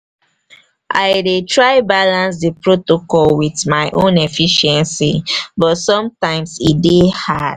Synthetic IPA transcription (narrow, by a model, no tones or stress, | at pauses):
ʔa̰ɪdetɹaɪbalãns̬dipɹotokɔlwiθmaɪʔõnefiʃɛ̃nsibɔtsɔ̃mtãɪ̃msidehad̥